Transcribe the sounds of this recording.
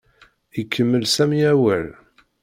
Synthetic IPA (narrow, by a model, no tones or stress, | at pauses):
ikʰːəmːəlsæmiæwæl